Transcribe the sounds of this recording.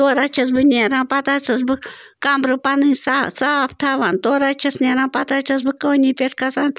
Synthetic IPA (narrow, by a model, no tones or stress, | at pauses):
t̪oːɾat͡ʃʰɐsbɨnʲeɾãːpɐt̪aːt͡sʰɐs̬bɨkambɾɨpɐnɨnʲsasaːpt̪ʰaːʋaːnt̪oːɾat͡ʃʰɐsnʲeɾãːnpɐt̪at͡ʃʰɐs̬bɨkənipʲeʈʰkʰɐsaːn